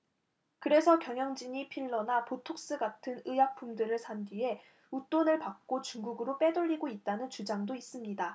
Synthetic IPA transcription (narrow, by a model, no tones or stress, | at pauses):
kɯɾe̞sʰʌkjʌŋjʌŋd͡ʑiɲipʰiɭːʌnapotʰok̚s͈ɯɡatʰɯnɯjak̚p͈ʰumdɯɾɯɭsʰandie̞ | ut͈onɯɭpak̚k͈ot͡ɕuŋɡuɡɯɾop͈e̞doʎːiɡoit̚t͈anɯnt͡ɕud͡ʑaŋdois͈ɯmɲida